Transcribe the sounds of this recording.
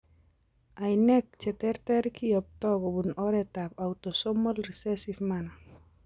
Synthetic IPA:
ajnɛk̚t͡ʃɛtɛɾtɛɾkʰijɔp̚tɔɡɔbunɔɾɛtapawtosɔmɔlrisɛsifmana

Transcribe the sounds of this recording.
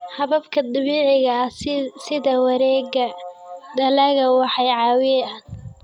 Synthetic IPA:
hɑβɐbkʰɐd̪ɑβiːʕɪɣɐsɪðɐwɑɾɛːɣɐd̪ɐlɐɣɐwɑħɑjʕɑːwɪan

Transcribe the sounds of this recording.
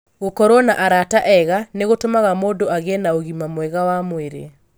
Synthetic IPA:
ɣokɔɾwɔnaʔaɾataʔɛɣaneɣotomaɣamoːdoaɣɛnaoɣimamwɛɣawamweɾḛ

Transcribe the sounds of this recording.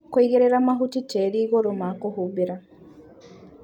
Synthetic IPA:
kwiɣeɾeɾamaɦutiteɾiːɣoɾomakohuβiɾa

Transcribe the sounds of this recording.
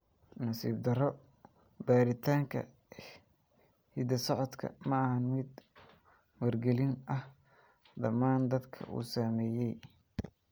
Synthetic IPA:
nɐsḭːb̚d̪ɐɾɔ | baːɾɪt̪ʰaːŋkʰɐ̰ | hid̪ɐsɔʕɔd̪kʰɐ̰mɐɐhɐnmɪd̪ | wɐrɡɛlɪnʔɐh | d̪ɐmaːnd̪ɐd̪kʰɐ̰ʔṵːsamɛːjɛj

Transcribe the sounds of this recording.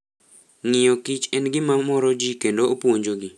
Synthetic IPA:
ŋɪjɔkɪt͡ʃɛnɡɪmamɔɾɔd͡ʒikendoːpoɲd͡ʒoɡɪ

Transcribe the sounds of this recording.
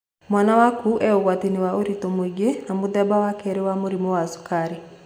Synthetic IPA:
mwaːnawakuʔɛoɣwatiniwaoɾitomwiɡenamoðɛbawakɛɾewamoɾimowasu̥kaɾe

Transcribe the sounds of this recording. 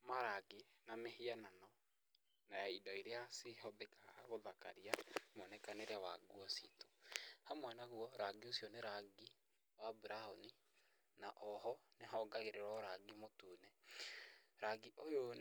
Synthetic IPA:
maɾaɡenamehiananɔ | najaidɔiɾeaseɦɔðekaɣoðaka̰ɾiamoɔnɛkaneɾɛwa̰ɡwɔsito̥hamwɛnaɣuɔɾaɡiosiɔneɾaɡi | waːbuɾahoni | naʔɔɦɔneɦɔɡaɣeɾeɾɔɾaɡimotuːnɛ | ɾaɡiʔojo

